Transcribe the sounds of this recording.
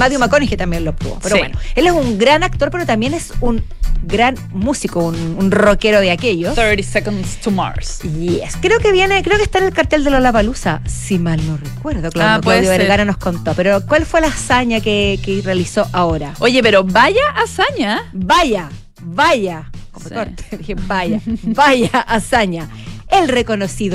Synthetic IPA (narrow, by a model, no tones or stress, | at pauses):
maðjomakonixet̪ambjenloop̚t̪ṵβopeɾowenoelesuŋɡɾanak̚t̪o̞ɾpe̞ɾot̪ambje̞nesunɡɾan | musikoununrokeɾoðeakejosθəɾisɛkõndst̪ʰuma̰ɾsjeskɾeokeβjenekɾeo̞kest̪aenelkaɾt̪eld̪elolapalusasimalnorekweɾðoklaokejoβeɾɣaɾano̞hsko̞nt̪opeɾokwalfwelaːsaɲakekerealisoʔaoɾaojepeɾobaʝaʔasaɲaβaʝa | βaʝakomot̪oɾe̥ðixebajabaʝaʔːsaɲa | elreko̞nosiðo